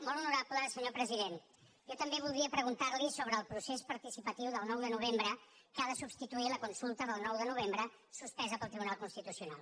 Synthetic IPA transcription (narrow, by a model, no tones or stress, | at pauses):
mɔlˠunuɾapləsəɲopɾəziðen | ʒɔt̪əmbeβ̞ulˠd̪ɾiəpɾəɣ̞unt̪aɾlisoβ̞ɾəːlˠpɾusespəɾt̪isipət̪iwðəlˠnɔwðənuβ̞embɾə | kaðəsubst̪it̪uiləkunsulˠt̪əðəlˠnɔwðənuβ̞embɾə | suspɛzəpəlˠt̪ɾiβunalˠkunst̪it̪usiuna̰lˠ